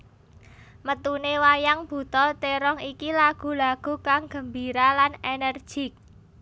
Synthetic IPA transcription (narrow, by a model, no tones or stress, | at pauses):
mət̪unewajaŋb̥ṳt̪ɔlt̪eɾɔŋikilaɡ̥ṳlaɡ̥ṳkaŋɡ̥ə̤mbiɾalanɛnərd̥ʒ̥i̤k̚